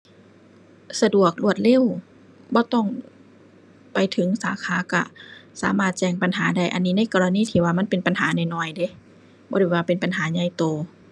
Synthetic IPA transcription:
sa˧du˨˩ək̚lu˧˩ət̪̚le˧˥˩w | bɔː˧˦t̪ɔ˧˩ŋ | pa˨jt̪ʰɯ˨˩˦ŋsaː˨˦kʰaː˨˦ka˧˩sa̰ː˨˦maː˧˩t̪̚t͡ɕɛː˧˩ŋpa˧˨nɦaː˨˩˦da˧˩jʔa˧nːiː˧˥na˧˥˨jkɔː˧la˧niː˧˥˨t̪ʰiː˧˩waː˧ma˧˥˨npe˨npa˨nhaː˨˦na˧˩jnɔː˧˩jde˧˦ | bɔː˧˦ɾa˧˩˨waː˧pe˨npa˨nɦaː˩˦ɲa˧˩jt̪oː˧˩

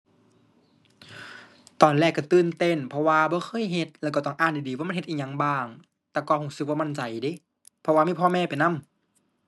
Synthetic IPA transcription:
t̪ɔː˨˩nlɛː˧˩kːa˧˩t̪ɯː˧˨nt̪e˧˥˨npʰɔ˧waː˧bɔː˧˦xʰɤː˧˥˨jɦe˧t̪̚lɛː˧˩wkaː˧˩t̪ɔː˧˩ŋʔaː˧˩nda˨˩diː˨˦waː˧˨˧nhe˧t̪ʔiː˧ɲa˧˥ŋbaː˧˩ŋ | t̪ɛː˧˩kɔː˧˩hoː˧˩sɯ˧k̚waː˧ma˧˥˨nt͡ɕa˨˩jdi˧˥˨ | pʰɔ˧waː˧iː˧˥˨pʰɔː˧˨mɛː˧˨pa˨jna˧˥˨m

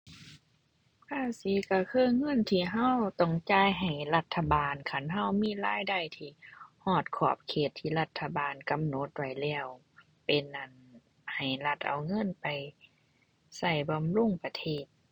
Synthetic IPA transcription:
kʰaː˧˥˩si˨˧˦ka˧˩kʰɯː˧˥˨ŋɤ˧˥˨nt̪ʰiː˧˩ɦa˧˥˨wt̪ɔ˧˩ŋt͡ɕaː˧˥˨jɦa˨˩jla˧t̪ʰːa˧˩baː˨nkʰa˧˩nɦa˧˩˨wmiː˧˥˨laː˧˥˨jda˧˩jt̪ʰiː˧˩hɔː˧˩t̪̚kʰɔː˧˩p̚kʰeː˧˨˩t̪ʰːiː˧˩˨la˧t̪ʰːa˧baː˨nka˧˨mno˧˦t̪̚wa˧˩jlɛː˧˩w | pe˧˨nʔa˨˩n | ha˨˩jla˧˩t̪̚ʔa˨˩wŋɤ˧˥˨npa˨j | sa˧˩jba˧˨mluː˧˥˨ŋpa˧t̪ʰeː˧˩t̪̚

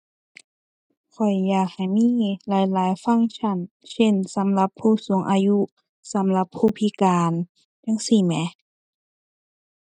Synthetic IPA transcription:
kʰɔ˨˩jːaː˨˩k̚ha˨˩jmiː˧˥˨laː˨˦jlaː˨˦jfa˧˥˨ŋt͡ɕʰa˧˩n | se˧˥˨nsa˨˦mla˧˦pʰːuː˧˩suː˨˩˦ŋʔaː˧ju˧˥ | sa˨˦mla˧˦pʰːuː˧˩pʰi˧˥kaː˨n | da˧˥˨ŋsi˧˩mɛ˧˥

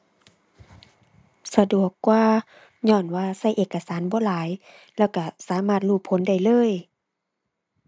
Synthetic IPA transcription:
sa˧du˨˩əkːwaː˧ | ɲɔː˧˩nwaː˧sa˧˩˨jʔeː˨˩kːa˧saː˨˦nbɔː˧˦laː˨˦j | lɛː˧˩wka˧˩saː˨˦maː˧˥˩t̪̚luː˧˩pʰːo˨˦nda˧˩jlɤː˧˥˨j

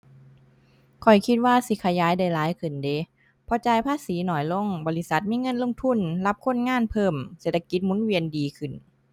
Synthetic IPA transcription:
kʰɔ˨˩jkʰi˧˦t̪̚waː˧˨si˧˦kʰa˧jaː˨˦jda˧˩jlaː˨˦jkʰɯ˨˩nde˨˦ | pʰɔ˧˩t͡ɕaː˧˨jpʰaː˧˥˨siː˨˦nɔː˨˩jlo˧˥˨ŋbɔː˧li˧sa˧˦t̪̚miː˧˥˨ŋɤ˧˥˨nlo˧˥˨ŋ͡mt̪ʰu˧˥˨nla˧˥p̚kʰo˧˥˨nŋaː˧˥˨npʰɤː˧˩mseː˨˩t̪ʰːa˧ki˧˦t̪̚mu˧˥˨nwi˧əndiː˨˧kʰɯ˨˩n

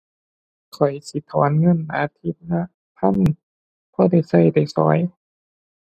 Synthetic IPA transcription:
kʰɔ˨˩jsi˧˦t̪ʰɔː˨˦nŋɤ˧˥˨nʔa̰ː˧˦t̪ʰi˧˦t̪̚na˧ | pʰa˧˥˨n | pʰɔː˧˥˨da˧˩jsa˧˩˨jda˧˩jsɔ̰ː˨˦j

